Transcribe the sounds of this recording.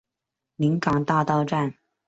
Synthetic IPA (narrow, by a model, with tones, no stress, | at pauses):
li˧˥ŋkɑ˨˩ŋt̪a˥˧t̪ɑ˥˧ʊʈ͡ʂa˥˩n